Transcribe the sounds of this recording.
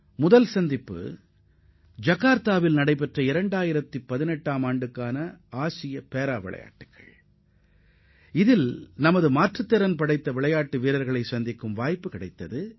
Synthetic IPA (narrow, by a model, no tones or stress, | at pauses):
mʊðɐlsɐnd̪ɪpːɯ̰ | d͡ʒɐɣaːɾt̪aːʋɪlnɐɽɐɪp̬ɛʈrɐɪɾɐɳɖaːjɪɾɐt̪ːipːɐðɪnɛʈːaːmaːɳɖɯkːaːnɐaːsɪjɐpeːɾaːʋɪ̰ɭɐ̰ja̰ːʈːɯkːɐ̰ɭ | ɪðɪlnɐmɐðɯmaːʈrɯt̪ːɐɾɐnpɐɽɐɪt̪ːɐʋɪɭɐjaːʈːɯʋiːɾɐɾɣɐɭɐɪsɐnd̪ɪkːɯmʋaːjpːɯkɪɽɐɪt̪ːɐðɯ